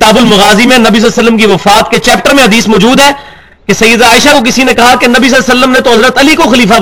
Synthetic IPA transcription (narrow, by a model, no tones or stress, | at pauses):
kɪt̪aːbʊlmʊɣaːzimẽnɐbis̬ɐlːsəlːəmkiʋɐfaːt̪ket͡ʃɛːp̚ʈəɾmẽɦɐd̪iːsmɔːd͡ʒuːd̪ɦɛː | kesɐjːəd̪aːɪʃakok̬ɪsinẽkɐɦakenɐbis̬ɐlsəlːəmnẽt̪oɦɐzɾət̪ɐlikoxɐliːfa